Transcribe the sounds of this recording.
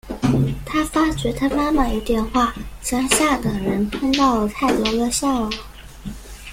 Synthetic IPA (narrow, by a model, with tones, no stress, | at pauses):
t̪ʰa˥fa˥t͡ɕɥɛ˧˥t̪ʰa˥ma˥ma˥˨˩i˧˥t̪jɛ˥˧nxwa˥˩t͡ɕjɑ˥ŋɕja˥˩d̪ə˨˩ɻə˧˥npʰɤ˥ŋt̪ɑ˥˧ʊt̪ʰa˥˩ɪt̪wɔ˧˥lɤ˥˧ɕjɑ˥˩ʊlə˩